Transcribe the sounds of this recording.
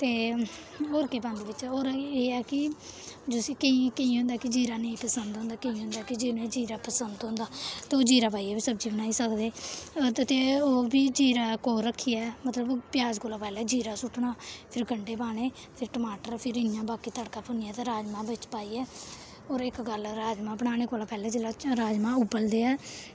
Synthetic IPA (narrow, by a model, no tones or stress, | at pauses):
t̪eː | oːɾkeːpãːnd̪eʋɪt͡ʃoːɾeːɛːkɪd͡ʒʊsiːkəĩːkəĩːɦʊ̃nd̪aːkɪd͡ʒiːɾaːnəĩːpəsənd̪ɦʊ̃nd̪aːkəĩːɦʊ̃nd̪aːkɪd͡ʒnũeːd͡ʒiːɾaːpəsənd̪ɦʊ̃nd̪aːt̪eːoːd͡ʒiːɾaːpaːiːaːbiːsəb̚d͡ʒiːbənaːiːsəkd̪eː | t̪eːoːbiːd͡ʒiːɾaːkoːɾːəkʰːiːɛːmət̪ləbpjaːd͡ʒkoːlaːpɛːlɛːd͡ʒiːɾaːsʊʈʰnaːpʰɪɾɡəɳɖeːbaːɽeː | pʰɪɾʈəmaːʈəɾpʰɪɾɪjãːbaːkiːt̪əɽkaːpʰʊniːaːt̪aːɾaːd͡ʒmãːbət͡ʃpaːiːɛː | oːɾɪkɡəlɾaːd͡ʒmãːbəɽ̃aːɽ̃eːkoːlaːpɛːlɛːd͡ʒɪlaɾaːd͡ʒmãːʊbəld̪eːɛː